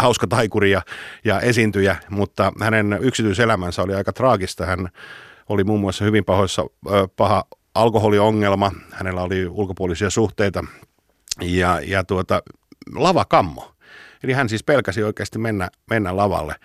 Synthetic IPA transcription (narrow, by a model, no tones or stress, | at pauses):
hɑuskɑt̪ɑikuriɑjɑʔesint̪yjæmut̪ːɑhænenyksit̪yiselæmænsæoliɑikɑt̪rɑːɡist̪ɑhæn | olimuːmːuɑsːɑhyʋimpɑhoisːɑ̰pɑhɑ | ʔɑlkoholioŋːelmɑhænelːæoliulkopuolisiɑsuht̪eit̪ɑ | jɑjɑt̪uot̪ɑ | lɑʋɑkɑmːo̰ | elihænsiːspelkæsioikeːst̪imenːæmenːælɑʋɑ̰lːḛ